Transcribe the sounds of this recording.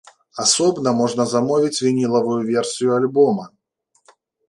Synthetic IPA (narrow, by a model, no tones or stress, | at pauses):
asɔbnɐmɔʐnɐzamɔvʲit͡sʲvʲinʲilˠɐvujuvʲɛrsʲijualʲbɔmɐ